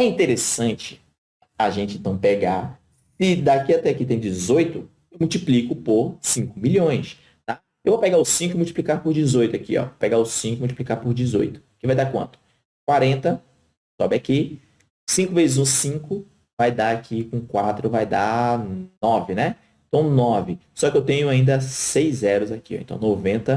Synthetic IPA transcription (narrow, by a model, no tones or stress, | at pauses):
ɛĩnt̪eɾesɐ̃t͡ʃɪ̥ | aʒẽnt͡ʃɪẽnt̪ɐ̃w̃peɡa | sɪd̪akiat̪ɛakit̪ẽj̃ʊ̃d͡ʒɪzojt̪ʊ | ewmuwt͡ʃiplikʊpoɾsĩŋkʊmiʎʲõj̃s | t̪a | ewvopeɡaʊsĩŋkʊmuwt͡ʃiplikaɾpoɾd͡ʒɪzojt̪ʊakiɔ̰opeɡaʊsĩŋkʊmuwt͡ʃiplikaɾpoɾd͡ʒɪzo̰jt̪ʊ̥kɪvajd̪akwɐ̰̃nt̪ʊ̥ | kwaɾẽnt̪ɐ | sɔbɪaki | sĩŋkʊvezɪzũsĩkʊ | vajd̪aakʰikõkwat̪ɾʊvajd̪a̰ | nɔvɪnɛ | ẽt̪ɐ̃w̃nɔvɪsɔkɪewt̪ẽɲʊaĩnd̪ɐsejzɛɾʊzakiɔ̰̃t̪ɐ̰̃w̃novẽnt̪ɐ